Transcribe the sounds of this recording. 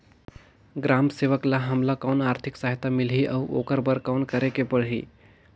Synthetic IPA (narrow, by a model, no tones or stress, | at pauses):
ɡɾamseʋəklaɦəmlakawnaɾt̪ʰiksaɦit̪amilɦiʔəwo̰kəɾbəɾkawnkəɾekepəɽɦḭ